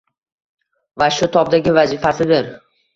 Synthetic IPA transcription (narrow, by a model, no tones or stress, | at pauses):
vaʃʊt̪ʰɒb̚d̪aɡʲɪvazɪfasɪd̪ɪɾ